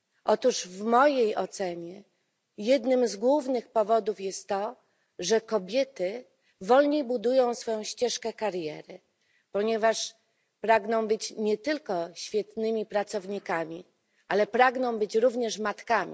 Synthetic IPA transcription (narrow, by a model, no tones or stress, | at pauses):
ʔɔt̪uʐvmɔjejɔt̪sɛɲɛ | jɛd̪nɘmzɡwuvnɘxpɔvɔd̪ufjɛst̪ːɔ | ʐɛkɔbʲjɛt̪ɘ | vɔlɲejbud̪ujɔ̃w̃sfɔjɔ̃w̃ɕt͡ɕɛʂkɛkaɾjɛ̰ɾɘ | pɔɲɛvaʂ | pɾaɡnɔ̃w̃bɘt͡ɕɲɛt̪ɘlkɔɕfʲjɛt̪nɘmʲipɾat̪sɔvɲikamʲi | ʔalɛpɾaɡnɔ̃w̃bɘt͡ɕɾuvɲɛʂmat̪kamʲi